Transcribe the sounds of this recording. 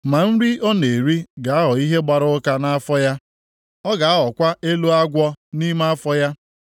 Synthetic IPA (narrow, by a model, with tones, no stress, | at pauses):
ma˨n̩˦ɾi˦ɔ˦ne˨ɾi˦ɡa˨a˦ɦɔ˨i˦ɦe˦ɡ͡ba˨ɾʊ˦ka˦na˦a˦fɔ˦ja˦ | ɔ˦ɡa˨a˦ɦɔ˨kʷa˦e˦lo˦a˦ɡʷɔ˦ni˦ma˦a˦fɔ˦ja˦